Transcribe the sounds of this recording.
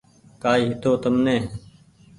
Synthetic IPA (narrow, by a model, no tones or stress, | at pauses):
kaːiːɦɪt̪oːt̪əmnẽː